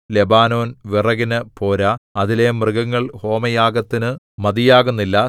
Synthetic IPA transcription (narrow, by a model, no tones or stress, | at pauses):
lebaːno̞ːnʋirɐɣinɨpo̞ːɾɐɐðile̞mrɨɡɐŋːɐɭho̞ːmɐjaːɡɐt̪ːinɨ | mɐd̪ijaːɣunːilːɐ